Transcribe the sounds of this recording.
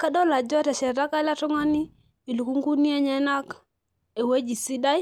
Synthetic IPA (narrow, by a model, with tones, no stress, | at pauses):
ka˦dɔ˦la˨d͡ʒɔ˦tɛ˨ʃɛ˨da˦ka˦la˦tu˦ŋa˦ni˦ | i˨lu˨ku˦ŋɡu˦ni˦e˦ɲɛ˦na˦k | e˨we˦d͡ʒi˨si˦da˦j